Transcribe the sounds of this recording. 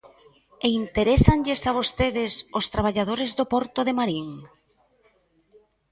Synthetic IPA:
eint̪eɾesaŋʎesaβ̞ost̪eðɪsost̪ɾaβ̞aʎað̞oɾezðopɔɾt̪oðemaɾiŋ

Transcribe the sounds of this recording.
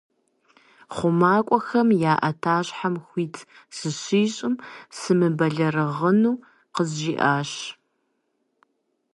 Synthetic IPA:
χʷʊmaːkʷʼɔxɐmjaːʔɐtʰaːɕħamxʷiːtʰsɨɕiːɕʼɪmsɨmɨbɐɮɐrɨʁənuː | qəzʒiːʔaːɕ

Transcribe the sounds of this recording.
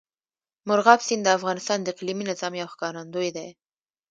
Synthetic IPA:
mʊɾɣɑbsind̪əafɣɑnɪst̪ɑnd̪əqliminɪzɑmjɑwxkɑɾand̪ojd̪aj

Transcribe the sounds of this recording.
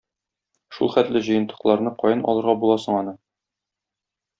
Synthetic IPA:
ʃṵlˠχæt̪lɘʑɤ̆jɤ̆nt̪ːɤ̆qlˠɑɾnɤqɒjɤnɒ̰lˠɤ̆ɾʁɑbulˠɑsɤ̆ɴɒnɤ

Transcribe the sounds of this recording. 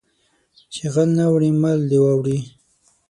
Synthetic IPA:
t͡ʃeɣalnawɽimald̪ewawɽi

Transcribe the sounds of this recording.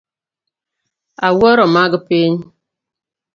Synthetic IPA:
awɔɾɔmaɡəpeɲ

